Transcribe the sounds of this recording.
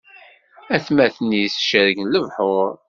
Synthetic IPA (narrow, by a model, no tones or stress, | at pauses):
æθmæθnisʃəɾəɡnləvħʊɾˤ